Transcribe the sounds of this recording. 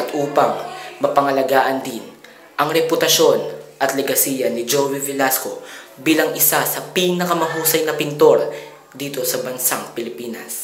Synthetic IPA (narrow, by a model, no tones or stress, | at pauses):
ɐt̪ʔuːpɐŋmɐpɐŋɐlɐɡaːʔɐnd̪in | ʔɐŋɾɛpʊt̪ɐʃo̞nʔɐt̪lɛɡɐsiːjɐnɪd͡ʒowivɪlasko̞biːlɐŋʔɪsasɐpinɐkɐmɐɦuːsɐjnɐpɪnt̪o̞ɾ | d̪iːt̪o̞sɐbɐnsaŋpɪlɪpiːnɐs